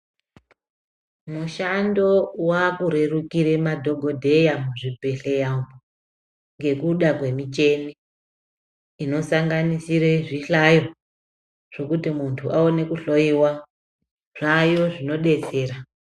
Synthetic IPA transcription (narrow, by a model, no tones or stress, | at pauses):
muʃando̞wakuɾe̞rukiɾe̞madʱo̞ɡʱo̞dʱe̞jamuʐibʱe̞ɬejambo | ŋɡe̞kuɗakwe̞mit͡ʃe̞ni | no̞saŋɡanisiɾeʐiɬajo̞ | ʐ̥o̞kutimuntʰuʔaone̞kuɬo̞iwa | ʐ̥ajo̞ʐino̞ɗe̞t͡se̞ːɾa